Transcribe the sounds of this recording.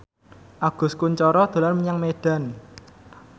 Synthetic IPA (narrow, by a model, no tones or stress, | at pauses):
ʔaɡ̥ʊ̤skuɲt͡ʃɔɾɔd̪̥o̤larməɲaŋmeɖ̥a̤n